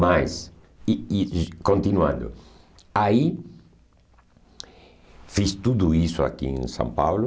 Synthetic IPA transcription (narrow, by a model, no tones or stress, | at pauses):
majs | iikõnt̪inwã̰nd̪ʊ̰ | ai | fist̪ud̪uisʊa̰kḭẽŋsã̰mpawlʊ